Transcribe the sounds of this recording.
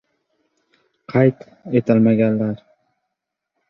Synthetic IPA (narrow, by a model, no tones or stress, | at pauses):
qʰɑjt̪ | et̪ʰɪlmaɡʲanlaɾ